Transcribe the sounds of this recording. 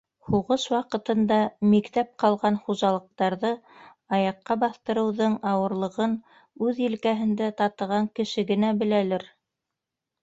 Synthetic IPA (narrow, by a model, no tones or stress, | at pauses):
huʁɤʃwɑqɤ̆t̪ɤ̆nd̪ɑmikt̪æp̚qɑlˠʁɑnχuʒɑlˠɤ̆q̚t̪ɑɾðɤ | ɑjɑqːɑbɑθt̪ɤ̆ɾɤ̆wðɤɴɑwɤ̆ɾlˠɤ̆ʁɤn | ʉðjɘ̆lkæɦɘ̆nd̪æt̪ɑt̪ɤ̆ʁɑŋkɘ̆ʃɘɡɘ̆næbɘ̆lælɘɾ